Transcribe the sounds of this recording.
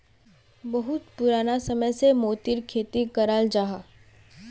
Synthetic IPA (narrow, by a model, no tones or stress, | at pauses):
bɐɦʊt̪pʊɾaːnasɐməjsemoːt̪iɾkʰeːt̪ikɐɾaːld͡ʒaːɦaː